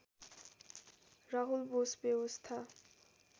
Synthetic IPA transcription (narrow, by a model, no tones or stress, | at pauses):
ɾaɦulbosbebost̪ʰa